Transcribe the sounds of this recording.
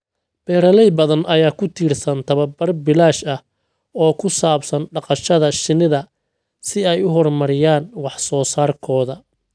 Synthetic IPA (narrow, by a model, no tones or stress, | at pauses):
b̥ɛːɾɐlɛjbɐðɐnɐjaːkʰʊt̪ʰiːrsɐnt̪ʰɐβɐbɐrbɪlaːʃɐh | ɔːkʰʊsaːbsɐnɖɑqɑʃɐðɐʃɪnɪðɐ | sɪɛjʊɦɔrmɐɾɪjaːnwɑħsɔːsaːrkʰɔːðɐ